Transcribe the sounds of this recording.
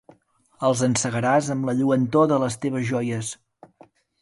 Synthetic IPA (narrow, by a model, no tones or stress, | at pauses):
əlˠzənsəɣəɾazəmləʎuənt̪oðələst̪eβ̞əzʒɔjəs